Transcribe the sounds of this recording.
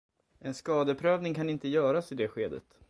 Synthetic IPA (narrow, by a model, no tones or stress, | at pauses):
ɛnskɑːd̪əpʰɾøːvnɪŋkʰanɪnt̪əjœːɾasɪd̪ɛːɧeːd̪ə̰t̪